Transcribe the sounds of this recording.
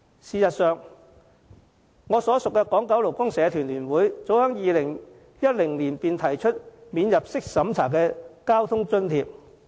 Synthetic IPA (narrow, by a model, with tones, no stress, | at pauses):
siː˨sɐ˨t̚sœː˨ŋ | ŋɔː˨˧sɔː˨˥sʊ˨kːɛː˧kɔː˨˥ŋkɐ˨˥wlo˨˩wkʊ˥ŋsɛː˨˧˥t̪ʰyː˨˩nlyː˨˩nwuː˨˥jt͡so˨˥whœː˨˥ŋjiː˨˧lɪ˨˩ŋ | jɐ˥t̚lɪ˨˩ŋliː˨˩npiː˧nt̪ʰɐ˨˩jt͡ʃʰɵ˥t̚miː˨˧njɐ˨p̚sɪ˥k̚sɐ˨˥mt͡sʰaː˨˩kɛː˧kaː˥wt̪ʰʊ˥ŋt͡sɵ˥nt̪ʰiː˧p̚